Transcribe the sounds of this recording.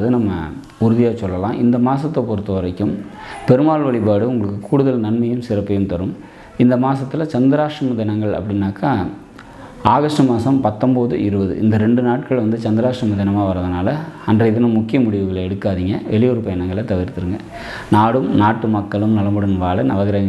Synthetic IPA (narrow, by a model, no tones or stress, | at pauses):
ðɯnɐmːɐ̰ | ʊɾɯðɪjaːsɔlːɐlãːʔɪnd̪ɐmaːsɐt̪ːɐpɔɾɯt̪ːɯʋɐɾɐɪkːɯmpɛɾɯmaːɭʋɐɭɪpaːɽɯʊŋɡɐɭɯkːɯkuːɽɯðɐlnɐnmɐjɯmsɪɾɐpːɐjɯmt̪ɐɾɯm | ɪnd̪ɐmaːsɐt̪ːɪlɐt͡ʃɐnd̪ɪɾaːʂɐmɐðɪnɐŋɡɐɭɐ̰pːɐɽɪnːaːkaː | aːɣɐʂʈɐmaːsɐmpɐt̪ːɐmbɐðɯɪɾɯbɐðɯ̰ʔɪ̰nd̪ɐɾɛɳɖɯnaːʈ̚kɐɭʋɐnd̪ɯt͡ʃɐnd̪ɪɾaːʂrɐmɐðɪnɐmaːʋɐɾɐðɯnaːlɐɐndrɐɪðɯnɐmʊkːɪjɐmʊɽɪʋɯɣɐɭɛɽɯkːaːðiŋɡɐʋɛɭɪjoɾɯpɐjɐnɐŋɡɐɭɐt̪ɐʋɪɾt̪ɯɾɯŋɡɐ | naːɽɯmnaːʈːɯmɐkːɐɭɯmnɐlɐmɯɽɐnʋaːlɐnɐʋɐɣɪɾɐŋɡ